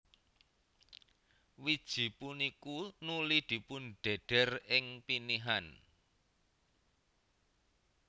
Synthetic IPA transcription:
wid̥ʒ̥i̤punikunulid̪̥i̤pʊnɖ̥ɛ̤ɖ̥ɛ̤rɪŋpiniɦan

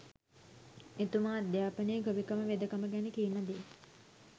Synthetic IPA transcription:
et̪umaːd̪jaːpənejəɡoʋikəməʋed̪əkəməɡænekinɐd̪e

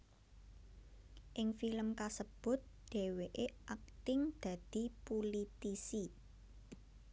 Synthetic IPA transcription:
ʔɪŋfiləmkasəb̥ʊ̤t̪̚d̪̥e̤weʔeʔak̚t̪ɪŋd̪̥ä̤d̪̥i̤pulit̪isi

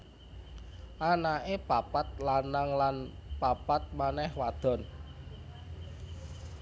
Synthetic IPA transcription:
ʔanaʔepapat̪̚lanaŋlanpapat̪̚manɛhwad̪̥ɔ̤n

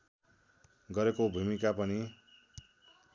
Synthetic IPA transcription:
ɡʌɾekobʱumikapʌni

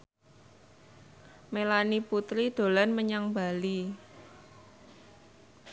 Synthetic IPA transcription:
melaniput̪ɾid̪̥o̤lanməɲaŋbali

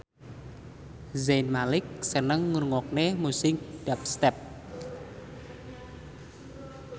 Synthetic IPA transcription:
zanmalɪk̚sənəŋːurŋɔk̚nemusɪŋɖ̥ap̚st̪ɛp̚

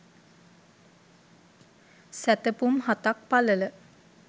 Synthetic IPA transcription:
sæt̪əpumɦat̪ak̚palələ

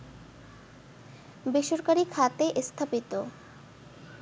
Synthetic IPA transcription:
beʃoɾkaɾikʰat̪eʔst̪ʰapit̪o

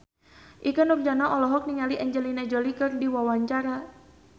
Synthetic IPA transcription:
ʔikanurd͡ʒanaʔɔlɔɦɔk̚niŋaliʔɛɲd͡ʒəlinad͡ʒɔlikɨrdiwawaɲt͡ʃaɾa

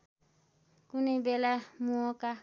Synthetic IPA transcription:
kunɛbɛlamuɔka

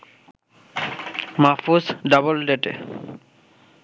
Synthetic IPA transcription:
mafusɖabolɖeʈḛ

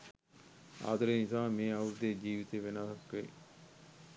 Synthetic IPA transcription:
a̰ːd̪ɐɾenisaːmeːɐuɾd̪ed͡ʒiːʋit̪eːʋenasɐkːʋe

